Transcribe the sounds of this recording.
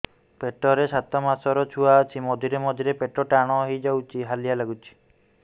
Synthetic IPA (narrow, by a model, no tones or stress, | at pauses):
peʈɔɾesat̪ɔmasɔɾɔt͡ʃʰuaːt͡ʃʰimɔd̪ʱiɾemɔd̪ʱiɾepeʈɔʈaɽ̃ɔɦid͡ʒawt͡ʃʰiɦalijalaɡut͡ʃʰi̥